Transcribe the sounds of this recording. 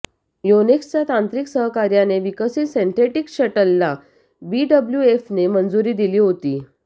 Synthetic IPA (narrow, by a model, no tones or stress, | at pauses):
jonekst͡ɕjat̪ant̪ɾiksəɦkaɾjaneʋikəsiːsent̪eʈikɕəʈəlːa | biːɖəbljuefnemənd͡zuɾiːd̪iliːɦot̪iː